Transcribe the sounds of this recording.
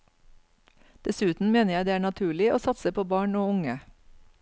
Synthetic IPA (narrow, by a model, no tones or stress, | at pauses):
d̪̥ɛsʉːt̪n̩meːnəjæɪd̪eːæːɳɑt̪ʰʉːɭɪʔoːsɑt̪səpʰoːbɑːɳoːʊŋə